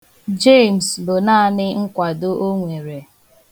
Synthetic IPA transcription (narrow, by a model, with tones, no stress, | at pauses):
d͡ʒe˦˨m̩˨slo˨na˦a˦nɪ˦ŋ̩˦kʷa˨do˦ʔo˦ŋʷe˨ɾe˨